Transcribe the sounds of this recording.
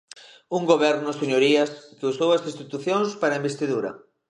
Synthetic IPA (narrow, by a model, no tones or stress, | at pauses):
uŋɡoβ̞ɛɾnʊseɲoɾiɐskeusowɐsĩst̪it̪uθjoŋspaɾɐimbest̪iðuɾɐ̰